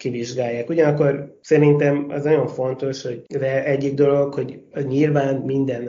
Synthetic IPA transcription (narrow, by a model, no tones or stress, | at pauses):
kiviʒɡaːjːaːkuɟɒnɒkːo̞rsɛɾint̪ɛmɛ̰znɒɟo̞ɱfo̞nt̪o̞ʃho̞ɟvɛlɛɟːiɡ̚d̪o̞lo̞kho̞ɟɲilvaːnmind̪ɛn